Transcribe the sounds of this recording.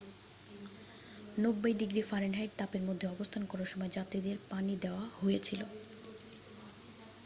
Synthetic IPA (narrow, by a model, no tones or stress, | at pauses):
nobːajd̪iɡɾifaɾeɳɖɦajʈ̚t̪apeɾmod̪ʱːeɔbost̪ʰankɔɾaʃɔmɔed͡ʑat̪ːɾid̪eɾpanid̪eoahojet͡ɕʰilo